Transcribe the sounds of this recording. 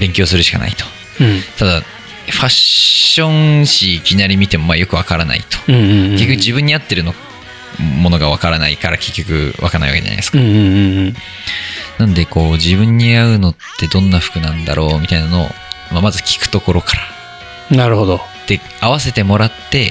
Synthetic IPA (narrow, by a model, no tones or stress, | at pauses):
bẽ̞ŋkʲo̞ːsɨɾɯ̟ɕi̥ka̰na̰it̪o̞̥ | t̪ad̪a | ɸaɕõ̞ŋɕiːkʲinaɾʲimʲit̪e̞mo̞majo̞kɯ̟βakaɾana̰ḭt̪õ̥kekʲːokːʑibɯ̃ɲ̟ːiat̪ːe̞ɾɯ̟no̞ | mo̞no̞ɡaβakaɾanaikaɾa̰ke̞kʲːo̞kɯ̟̰βakanaiβakḛa̰n̰eskã | nãnd̪e̞ko̞ːd͡ʑibɯ̟̃ɲ̟ːiaɯ̟no̞t̪ʰːe̞d̪õ̞nːaɸɯ̥kɯ̟nãnd̪a̰ɾʔo̞ːmʲit̪ainano̞̰ː | mamazɨkʲi̥kɯ̟̥t̪o̞ko̞ɾo̞kḁɾḁ | naɾɯ̟hod̪o | d̪̥e̞ | aβase̞t̪e̞mo̞ɾat̪ːe̞